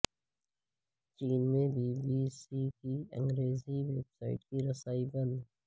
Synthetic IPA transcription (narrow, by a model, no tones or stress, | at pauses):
t͡ʃiːnmẽbʱiːbiːsikiə̰̃ŋɡɾeːziweːbsaːɪʈkiɾɐsaːibɐ̃nd̪